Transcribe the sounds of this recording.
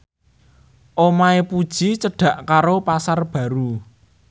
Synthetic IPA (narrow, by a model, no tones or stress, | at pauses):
ʔomaepud̥ʒ̥it͡ʃəɖ̥ä̤ʔkaɾopasarb̥ä̤ɾu